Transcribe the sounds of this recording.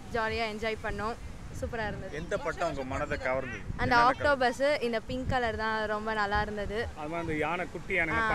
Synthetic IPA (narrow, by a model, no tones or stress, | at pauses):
d͡ʒaːlɪjaːɛɲd͡ʒaːjpɐɳːʊ̃ | suːpːɪɾaːɪɾɯnd̪ɐðɛnd̪ɐpɐʈːɐ̃ʊŋɡɐmɐnɐðɐɡɐʋɐɾnd̪ɯɐnd̪ɐaːkʈoːbɐɾsɯɪnd̪ɐpɪŋkaːlɐɾt̪ãːɾɔmbɐnɐlːaːɪɾɯnd̪ɐðɯɐðɯmaːɐnd̪ɐjaːnɐkʊʈːɪjaːnɐŋɡɐ̃